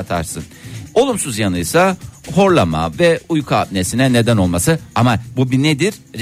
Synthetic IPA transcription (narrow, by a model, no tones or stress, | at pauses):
t̪ʰa̰ɾsɯno̞lˠumsuzjanɯjsaho̞ɾlˠama̰vɛujkʰaːb̚ne̞sinɛne̞d̪æno̞lˠmasɯamabubined̪iɾ̥